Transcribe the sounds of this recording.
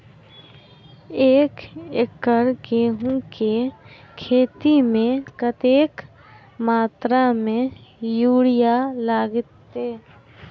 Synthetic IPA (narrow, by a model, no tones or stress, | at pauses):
eːkekəɾɡeːɦũke | kʰeːt̪imẽkət̪eːk | maːt̪ɾamẽjuːɽɪjalaːɡɪt̪ːeː